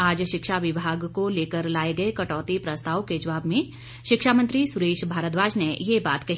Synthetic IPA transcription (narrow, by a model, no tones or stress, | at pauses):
aːd͡ʒʃɪkʃaʋɪbʱaːɡkoleːkəɾlaːeɡɐekɐʈɔːt̪ipɾɐst̪aːʋked͡ʒɐʋaːbmẽ | ʃɪkʃamə̃nt̪ɾisʊɾeːʃbʱaːɾət̪ʋaːʃnejebaːt̪kɐɦ